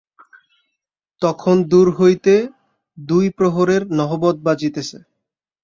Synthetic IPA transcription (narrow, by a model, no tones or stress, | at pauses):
t̪ɔkʰond̪uɾɦojt̪e | d̪ujpɾoɦoɾeɾnɔɦobɔd̪̚bad͡ʑit̪et͡ɕʰe